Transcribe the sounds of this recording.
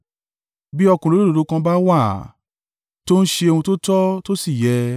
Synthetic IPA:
bi˦ɔ˧kũ˨lo˦o˦o˧ɾo˨˦kã˧ba˦wa˦˨ | to˦n̩˦ʃe˧e˧ũ˧to˦tɔ˦to˦si˦˨jɛ˨˧˦

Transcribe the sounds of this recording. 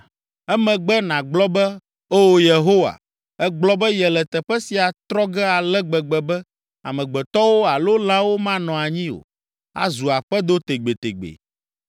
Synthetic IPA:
ɛ˦mɛ̃˨ɡ͡bɛ˦nã˨ɡ͡blɔ˦bɛ˦ | o˦wo˦je˨ɦo˦wa̰˨ | ɛ˦ɡ͡blɔ˦bɛ˦jɛ˨lɛ˨t̪ɛ˨ɸɛ˦si˨a˨t̪ɾɔ˦ɡɛ˦a˨lɛ˦ɡ͡bɛ˨ɡ͡bɛ˨bɛ˦ | a̰˨mɛ̃˨ɡ͡bɛ˨t̪ɔ˦wo˦a˨lo˦la˦wo˦mã˦nɔ̃˨a˨ɲĩ˦o̰˨ | a̰˦zu˨a˨ɸɛ˦d̪o˦t̪e˨ɡ͡be˨t̪ḛ˨ɡ͡bḛ˨

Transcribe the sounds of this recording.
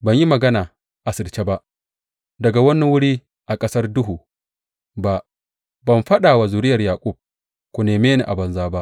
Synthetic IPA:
bɐ˨ɲji˦mɐ˨ɡɐ˦naː˨ | ʔa˨sɪ˨rt͡ʃe˦ba˦ʔ | dɐ˨ɡa˨wɐ˦nːi˦wʊ˦ɽiː˦ | ʔa˨kʼɐ˦sɐ˦rdʊ˦ɦuː˨ | ba˦ʔ | bɐ˨mɸɐ˦ɗaː˨wa˨zu˨ɾɪ˦jɐ˨rjaː˨kʷʼʊ˦˨b̚ | kʷu˨neː˨meː˦ni˨ʔa˨bɐ˨nzaː˦ba˦ʔ

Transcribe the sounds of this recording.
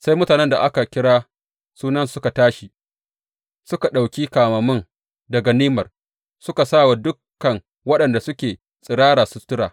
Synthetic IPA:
sa˦jmʊ˦taː˨nɛ˦nda̰˨ʔa˦ka˨kʲɪ˦ɽaː˦ | suː˦nɐ˦nsʊ˦ka˨taː˦ʃi˨ | sʊ˦ka˨ɗa˨wkʲiː˦kaː˨mɐ˨mɪ˦n | dɐ˨ɡa˨niː˦mɐ˨r | sʊ˦ka˨saː˦˨wa˨dʊ˦kːɐ˨ŋ | wɐ˦ɗɐ˨nda˨sʊ˦kʲeː˨ | sʼɪ˨ɽaː˦ɽaː˨sʊ˨˦tʊ˦ɽaː˨

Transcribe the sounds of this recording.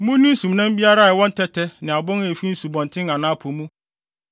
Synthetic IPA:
mũ˦nĩ˦n̩˦sũ˨mnã˦m˦bi˦a˦ɾa˦˨wɔ̃˦n˦tʰɛ˦tʰɛ˦nɪ̃˨a˨bʊ̃˦ŋe˨fi˦n̩˦su˨bɔ̃˨n˨tʰɪ̃˦ŋã˨nãː˦pʰo˨mũ˦

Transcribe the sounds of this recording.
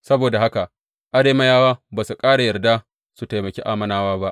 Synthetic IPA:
sɐ˦boː˨da˨ɦa˦ka˨ | ʔa˦ɽeː˨˦mɐ˦jaː˦waː˦baː˨su˨kʼaː˦ɽa˨jɐ˨rda˦ | su˨ta˨jmɐ˨kʲi˦ʔaː˦mɐ˦˨naː˦waː˦ba˦ʔ

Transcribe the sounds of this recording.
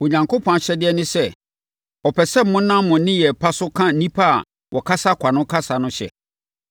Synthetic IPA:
wɔ˨ɲã˨ŋkʰo˦pʰɔ̃˨a˨ɕɛ˦dɪ˦ɛ˦nɪ̃˦sɛ˦ | ɔ˨pʰɛ˨sɛ˦m̩˦mʊ̃˦nːã˦m˦mʊ̃˨nɪ̃˦jɛ˨pʰa˦sʊ˦kʰã˦n̩˦nĩ˦pʰa˦a̰˨ | wʔɔ˨kʰa˦sa˦kʰʷa˨nʊ̃˦kʰa˦sa˨nʊ̃˦ɕɛ̰˨

